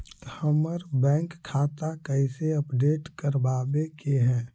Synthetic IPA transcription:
həməɾbɛ̃ːŋkʰːaːt̪akəɪseəpɖeːʈkəɾbaːbekeɦɛ̃ː

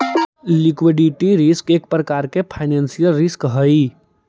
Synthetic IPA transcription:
likʋiɖiʈiɾɪskeːk̚pɾəkaɾkepʰaɪnensijəlɾɪskɦəi

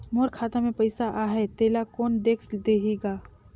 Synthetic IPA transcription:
moːɾkʰaːt̪amẽpɐɪsaʔaːɦet̪eːlakoːnd̪eːkʰd̪eːɦeːɡaː

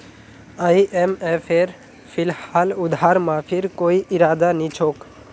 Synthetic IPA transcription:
aiʔemefʰeɾ | pʰɪlhaːlʊd̪ʱaːɾmãpʰɪɾkoːiʔɪɾaːd̪anĩt͡ʃʰoːk

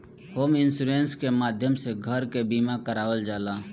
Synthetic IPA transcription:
hoːmɪnsuːɾẽːnskemaːd̪ʱjəmseɡʱəɾkebiːmakəɾaːwəld͡ʒaːlaː

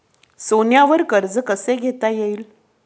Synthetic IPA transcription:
sonjaʋəɾkəɾd͡zəkəseɡʱet̪ajeiːl

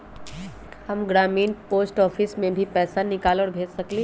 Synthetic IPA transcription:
hɐmɡɾaːmiːnpoːsʈɔːfʰɪsmẽbʱipɛːsanɪkaːlɔːɽbʱeːd͡ʒsɐkle

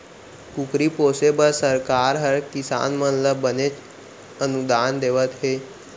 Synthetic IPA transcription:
kukɾipoːsebəlsəɾkaːɾɦəɾkisa̰ːnmənləbənet͡ʃ | ənud̪and̪eʋət̪ɦe

